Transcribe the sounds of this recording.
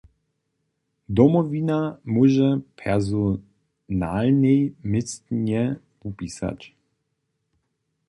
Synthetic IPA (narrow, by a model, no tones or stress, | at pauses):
d̪ɔmɔvinamuʒɛpʰɛʁzɔ | nalnɛjmɪst̪ɲɛ | pupisa̰t͡ɕ